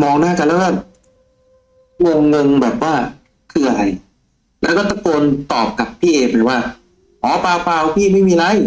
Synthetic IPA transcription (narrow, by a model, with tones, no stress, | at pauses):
mɔː˧ŋnaː˥˩ka˧lɛː˦˥wkɔː˥˩ | ŋo˧ŋŋo˧ŋbɛː˨˩p̚waː˥˩ | kʰɯː˧a˧ɾa˧j | lɛː˦˥wkɔː˥˩t̪a˥˩koː˧nt̪ɔː˨˩p̚ka˨˩pʰːiː˥˩ʔeː˧pa˨˩waː˥˩ | hɔː˨˦paː˧wpaː˧wpʰiː˥˩ma˥˩jmiː˧la˦˥j